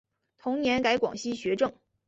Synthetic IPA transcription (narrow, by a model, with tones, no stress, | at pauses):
t̪ʰʊ˧˥ŋnjɛ˧˥nka˧˥ɪkwɑ̰˨˩ŋɕi˥ɕɥɛ˧˥ʈ͡ʂɤ˥˩ŋ